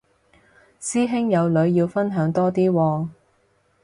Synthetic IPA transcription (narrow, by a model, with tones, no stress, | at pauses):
siː˥ɦɪ˥ŋjɐ˨˧wlɵ˨˧ɥjiː˧wfɐ˥nɦœː˨˥ŋt̪ɔː˥t̪iː˥wɔː˧